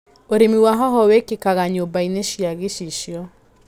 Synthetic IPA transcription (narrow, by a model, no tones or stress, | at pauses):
oɾemiwaɦɔɦɔwekekaɣaɲobaineʃiaɣeʃiʃjɔ